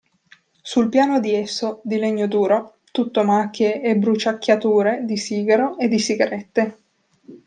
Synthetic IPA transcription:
sulpjaːnod̪iesːod̪ileɲːod̪uːɾo | t̪ut̪ːomakːjeːbɾut͡ʃakʲːjat̪uːɾed̪isiːɡaɾoʔed̪ːisiɡaɾet̪ːe

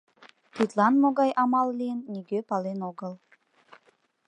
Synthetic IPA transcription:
t̪it̪lˠanmoɡajʔamalˠːʲinːʲiɡʲøpalʲˠenoɡəlˠ

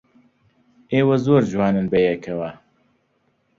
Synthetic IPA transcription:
ʔeːwɐzoːɾd͡ʒwɑːnɨnbɐjɛkʰɐwɐ

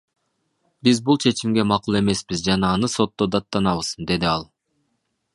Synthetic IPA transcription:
bizbulˠt͡ʃʰe̞t͡ʃimɡʲe̞mɑqulˠe̞me̞sbizd͡ʒɑnɑːnɯso̞t̪ːo̞d̪ɑt̪ːɑnɑβɯz̥d̪e̞d̪iɑlˠ

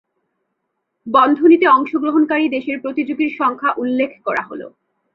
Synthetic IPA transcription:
bɔnd̪ʱonit̪eɔŋʃoɡɾoɦonkaɾid̪eʃeɾpɾot̪id͡ʑoɡiɾʃɔŋkʰaʔulːekʰkɔɾa̰ɦolo̰

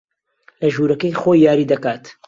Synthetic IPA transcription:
lɐʒuːɾɐkəjxojːaːɾiːd̪ɐkaːt̪

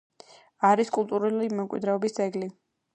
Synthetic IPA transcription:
aɾiskʼulˠt̪ʼuɾulimɛmkʼwḭd̪ɾɛɔbisd̪zʼɛɡli

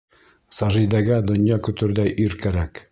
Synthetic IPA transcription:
sɑʒĭjd̪æɡæd̪ŏnjɑkɵ̆t̪ɵ̆ɾd̪æʔiɾkæɾæk

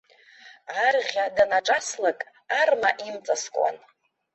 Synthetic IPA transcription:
arʁʲadanaʈ͡ʂʼaslakʼ | armaʔimt͡sʼaskʼwa̰n

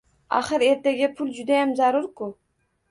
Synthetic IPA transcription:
a̰χɨɾe̞ɾt̪eɡʲɪpʰʊld͡ʒʊd̪ajamzaɾʊɾkʊ

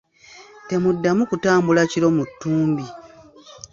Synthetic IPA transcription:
te̞mudːamukutaːmbulaciɾo̞mutːuːmbi

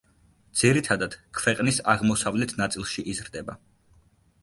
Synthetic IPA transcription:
d̪z̥iɾit̪ʰad̪ad̪̥kʰvɛqʼnisaʁmɔsavlɛt̪ʰnat̪sʼilˠʃiʔizɾd̪ɛba

